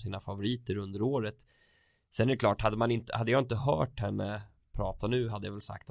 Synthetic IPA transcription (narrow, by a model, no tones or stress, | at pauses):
siːnafavʊɾiːt̪əɾɵnd̪əɾoːɾət̪ | sɛnæɾɛkʰlɑːʈhad̪ːəmanɪnt̪ə̰had̪ːjɑːɪnt̪əɦœ̰ːʈhɛnːə | pʰɾɑːt̪anʉ̟ːɦad̪ːəjavɛlsa̰k̚t̪a